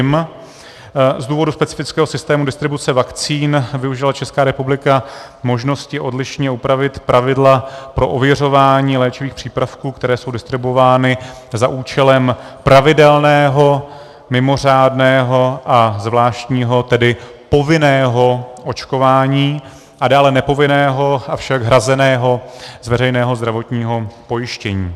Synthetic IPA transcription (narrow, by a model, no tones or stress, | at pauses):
m | zduːvo̞duspɛt͡sɪ̥fɪt͡skɛːɦo̞sɪst̪ɛːmudɪst̪ɾɪbut͡sɛvakt͡siːnvɪuʒɪlat͡ʃɛskaːɾɛpublɪka | mo̞ʒno̞scɪʔo̞dlɪʃɲɛupɾavɪt̪pɾʔavɪdlapɾo̞ʔovjɛr̝o̞vaːɲiːlɛːt͡ʃɪviːxpr̥iːpɾafkuːkt̪ɛɾɛːso̞wdɪst̪ɾɪbovaːnɪ | zaʔuːt͡ʃɛlɛm | pɾavɪdɛlnɛːɦo̞ | mɪmo̞r̝aːdnɛːɦo̞ʔazvlaːʃt̪ɲiːɦo̞t̪ɛdɪpo̞vɪnɛːɦo̞ʔo̞t͡ʃko̞vaːɲiː | ʔadaːlɛnɛpo̞vɪnɛːɦo̞afʃaɡɦɾazɛnɛːɦo̞zvɛɾɛjnɛːɦo̞zd̪ɾavo̞t̪ɲiːɦo̞po̞jɪʃcɛɲiː